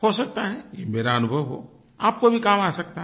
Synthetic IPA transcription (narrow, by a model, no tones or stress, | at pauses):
hosɐk̚t̪aɦɛjemeːɾaənʊbʱəʋɦo̰ː | aːp̚kobʱikaːmaːsɐk̚t̪a